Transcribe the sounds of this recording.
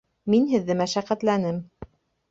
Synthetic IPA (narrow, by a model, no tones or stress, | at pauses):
minhɘ̆ðːɘmæʃæqæt̪lænɘm